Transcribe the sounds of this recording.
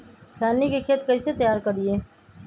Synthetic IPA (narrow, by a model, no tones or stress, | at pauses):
sʰɛːniːkekʰeːət̪kəiːset̪əjaːɾkədɪeː